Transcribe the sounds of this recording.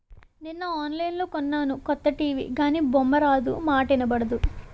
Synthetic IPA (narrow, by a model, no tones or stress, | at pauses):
ninːɐaːnlɐjnloːkɔnːaːnukɔt̪ːɐʈiːʋḭːɡaːniːbɔmːɐɾaːd̪ṵmaːʈinɐbɐɽɐd̪u